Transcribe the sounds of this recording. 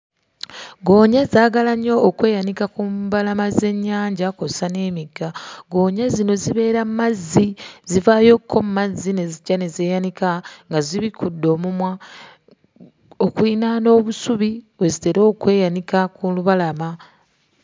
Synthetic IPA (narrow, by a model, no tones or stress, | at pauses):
ɡo̞ːɲazaːɡalaɲːo̞ːkwe̞ːjanikakumbalamaze̞ɲːaːɲɟakosane̞ːmiɡːaɡo̞ːɲazino̞ziβe̞ːɾammazːizivaːjo̞kʰːo̞mmazːine̞ziɟane̞zeːjanikaŋɡaziβikʰudːo̞ːmumwa | okwinano̞ːβusuβiβwe̞zite̞ɾo̞ːkwe̞ːjanikakuluβalama